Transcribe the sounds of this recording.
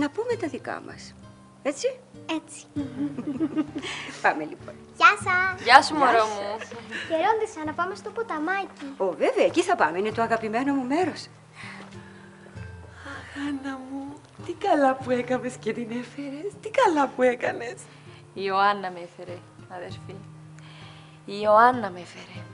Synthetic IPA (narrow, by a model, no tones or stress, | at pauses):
nɐpume̞t̪ɐðikɐ̰mʔɐ̰s | e̞t͡siet͡si̥ | pɐmelipo̞nʝɐsɐʝɐsumoɾomuçeɾo̞nd̪isɐnɐpɐme̞st̪opot̪ɐmɐciove̞veɐeciθɐpɐmeine̞t̪oɐɣɐpime̞no̞mume̞ɾo̞s | axanɐmu | t̪ikɐlapuekɐve̞scet̪inefeɾe̞st̪ikɐlapuekɐne̞s | ioanːɐmefeɾe | ɐðeɾfi | ioanːɐmefeɾe